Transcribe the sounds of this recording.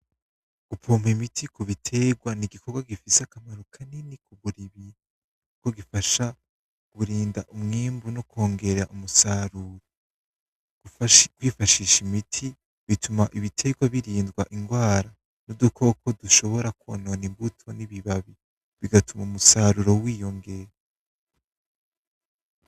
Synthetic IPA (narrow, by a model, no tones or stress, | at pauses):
ɡ̥upoːmimitʰikuβitʰe̞ɡwaniɡikʰo̞ɾɡwaɡifisakamaɾokʰaninikuβuɾiβi | uko̞ɡifaʃa | ɡ̥uɾiːnda̰ʔumŋiːmbunoko̞ːŋɡe̞ɾeɾaʔumusaːɾuːɾo̥ | kwiːfaʃiʃimitʰi | βitʰumaʔiβitʰe̞ɡwaβiɾiːndɡwaʔiŋɡwaːɾa | nudukʰo̞kʰo̞duʃo̞βo̞ɾakononimbutʰo̞niβiβaβi | βiɡatumaumusaːɾuɾo̞wiːjo̞ŋɡe̞ɾe